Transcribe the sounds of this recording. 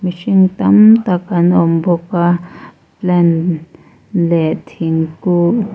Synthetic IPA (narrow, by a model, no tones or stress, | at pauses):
miʃiŋt̪amt̪akanomboka | plɛn | lɛʔt̪ʰiŋku